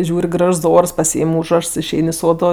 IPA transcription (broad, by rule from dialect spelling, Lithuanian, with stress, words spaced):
ˈʒʲuːrʲ ˈɡrɐʃs ˈoːrs pɐˈsʲiːɪm ˈuːʒrɐʃs ɪʃʲˈɛɪn ɪ ˈsoːdoː